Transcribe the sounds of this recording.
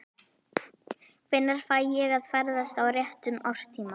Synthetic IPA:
kvɪnːaɾ̥faːjjɛɣaðfɛɾðast̪awrjɛht̪ʏmɔr̥t̪ʰiːma

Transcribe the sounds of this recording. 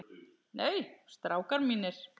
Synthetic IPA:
neːjst̪ɾaːwkaɾmiːnɪɾ̥

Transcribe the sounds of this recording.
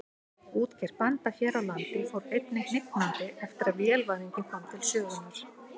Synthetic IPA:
uːt̪cʰɛɾ̥pant̪açjɛːɾawlant̪ɪfoːwɾejt̪nɪhnɪk̪mant̪ɪɛft̪ɪɾaðvjɛlvaniɲcɪnfɾamt̪ʰɪlsœːɣʏnːaɾ̥

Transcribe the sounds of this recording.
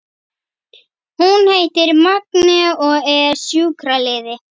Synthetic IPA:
hunheːjt̪ɪɾmaknɛɔɣɛɾsjuːkɾalɪːðɪ

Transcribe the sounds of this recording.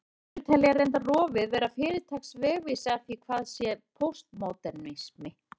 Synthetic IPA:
t̪ʰɛlːiarejnt̪arɔːvɪðvɛːɾafɪːɾɪt̪ʰaksvɛːɣvisaθikʰvaːðsjɛpʰowst̪moːwt̪ɛnːɪsmɪ

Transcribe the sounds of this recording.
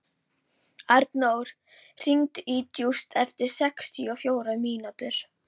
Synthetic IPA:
aɾt̪nowɾ̥ | r̥iŋt̪iːt̪just̪ʰɛft̪ɪɾ̥sɛkst̪ʰiɔfjoːwɾamiːnat̪ʏɾ̥

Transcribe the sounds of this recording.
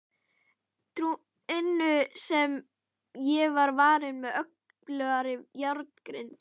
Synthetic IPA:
t̪ɾu | ɪnːʏsɛm | jɛvaɾvaːɾɪðmɛðœk̚ | plœːɣaɾɪjaɾt̪n̥kɾɪnt̪

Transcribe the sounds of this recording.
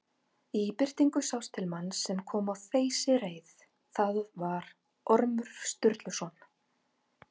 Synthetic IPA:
ipɪr̥t̪iŋkʏsawst̪ʰɪlmanːsɛmkʰɔːmawθeːjsɪɾeːjθ | θaðvaɾ | ɔɾmʏɾ̥st̪ʏɾt̪lʏsɔːn

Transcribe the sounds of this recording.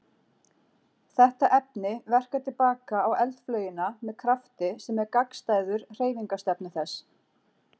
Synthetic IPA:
θɛht̪aʔɛp̚nɪvɛr̥kat̪ʰɪlpaːkaːwɛlt̪flœːɥjɪnamɛðkʰɾaft̪ɪsɛmɛɾkakst̪aːjðʏɾr̥eːjviŋkast̪ɛpnɪθɛs

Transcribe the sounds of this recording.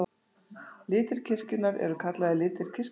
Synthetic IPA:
lɪːt̪ɪɾ̥cʰɪscɪnːaɾɛ̰ɾʏkʰat̪laðɪlɪːt̪ɪɾ̥cʰɪs

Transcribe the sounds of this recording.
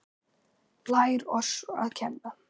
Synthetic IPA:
laːjɾɔsa̰ðcʰɛnːa

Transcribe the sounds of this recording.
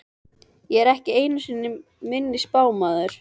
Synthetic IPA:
jɛɛɾɛhcɪeːjnʏsɪnːɪ | mɪnːɪspaːwmaːðʏɾ̥

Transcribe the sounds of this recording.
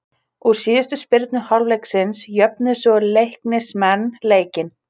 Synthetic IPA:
uɾ̥siːðɪst̪ʏspɪɾt̪nʏhawlvlejksɪnsjœpnɪsvɔʏlejhknɪsmɛnːleːjcɪn

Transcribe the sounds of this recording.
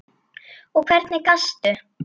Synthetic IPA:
ɔkʰvɛɾt̪nɪkast̪ʏ

